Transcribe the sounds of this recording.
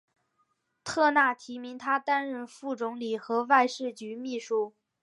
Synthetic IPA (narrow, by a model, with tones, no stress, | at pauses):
t̪ʰɤ˥˧na˥˩t̪ʰi˧˥mi˧˥ŋt̪ʰa˥t̪a˥nɻə˥˧nfu˥˩t͡sʊ˧˥ŋli˨˩xɤ˧˥wa˥˧ɪʂɻ̩˥˩t͡ɕy˧˥mi˥˩ʂu˥˩